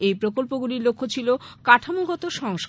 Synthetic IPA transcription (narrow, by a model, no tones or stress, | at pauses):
ejpɾokolpoɡuliɾlokʰːot͡ɕʰilokaʈʰamoɡʱɔt̪oʃɔŋʃ